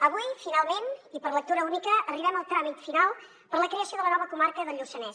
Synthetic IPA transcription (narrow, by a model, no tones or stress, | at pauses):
əβujfinalˠmenipəɾlək̚t̪uɾəunikəʔːriβɛməlˠt̪ɾamit̪finalˠ | pəɾləkɾeəsjoðələnɔβəkumaɾkəðəʎusənɛz